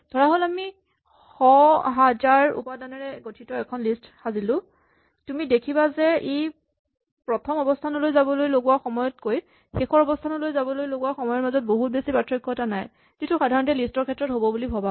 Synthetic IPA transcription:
d̥ʱɔɹaɦolami | xɔɦad͡ʒaɹṵpadanɛɹɛɡotʰitɔɛkʰɔnlistxazilʊ̃ | tumidekʰibazɛej | pɹɔtʰɔmɔbɔstʰanɔlojzabɔlojloɡʊwaxɔmɔjɔt̚koj | xexɔɹɔbɔstʰanɔlojzabɔlojloɡʊwaxɔmɔjɔɹmazɔt̚boɦut̚besipatɹikʰːɔtanaj | z̥itʰuxadʱaɹɔntɛlistɔɹkʰɛtːɹɔtɦobɔbulibʱaba

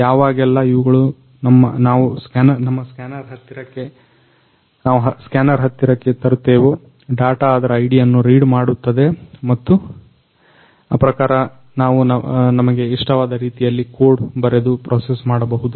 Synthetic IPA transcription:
jaːʋaːɡɛlːɐiʋɐɡɐɭu | nɐmːɐnaːʋuskaːnɐnɐmːɐskaːnɐɾɦɐt̪ːiɾɐkːe̞ | naːʋuɦɐskaːnɐɾɦɐt̪ːiɾɐkːe̞t̪ɐɾut̪ːeːʋu | ɖaːʈaːd̪ɐɾɐɐjɽijɐnːuɾiːɖmaːɽut̪ːɐd̪e̞mɐt̪ːu | a̰ːpɾɐkaːɾɐ | naːʋunɐnɐmɐɡe̞iʂʈɐʋaːd̪ɐɾiːt̪ijɐlːikoːɖbɐɾed̪upɾʔoːsesmaːɽɐbɐɦud̪u

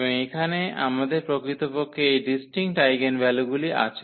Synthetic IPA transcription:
boŋekʰanea̰mad̪eɾpɾokɾit̪opokʰːeejɖisʈiŋʈajɡenbɛloɡuliʔa̰t͡ɕʰe

